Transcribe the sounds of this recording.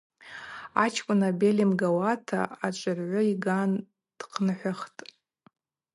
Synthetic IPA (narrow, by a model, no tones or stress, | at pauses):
at͡ʃʰkʷʼʊnabelimɡawatʰa̰at͡ʃʷʼɨrʕʷʊiɡan | d̥qʰnɨħʷaχtʼ